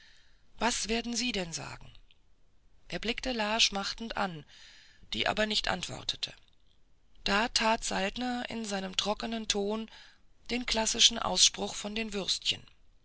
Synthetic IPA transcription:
vasv̥eːɐdn̩ziːdɛnza̰ːɡŋ̩ | ʔeːɐblɪktəlaːʃmaχtn̩tʔa̰n | d̥ḭːʔa̰ːbɐnɪçtʔa̰ntv̥ɔ̰ʁtʰə̥tʰə̥̰ | d̥aːtʰaːtz̥altnɐʔɪ̰nzaɪnəmtʁ̥ɔkənəntʰoːnd̥eːnkl̥asɪʃn̩ʔa̰ʊsʃpʁ̥ʊχfɔndeːnvʏʁstçə̰n

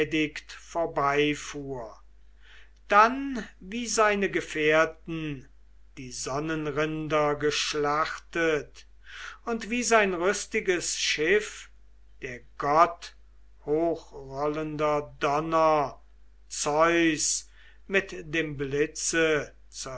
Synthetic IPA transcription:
dɪktfoːɐbaɪfuːɐ | d̥anviːzaɪnəɡəfeɐtn̩ | d̥iːzɔnənʁɪndɐɡəʃlaχtət | ʊntv̥iːzaɪnʁʏstɪɡəsʃɪf | d̥eːɐɡɔt | hoːxʁɔləndɐdɔnɐ | t͡sɔʏs | mɪtd̥eːmblɪt͡sə | t͡su

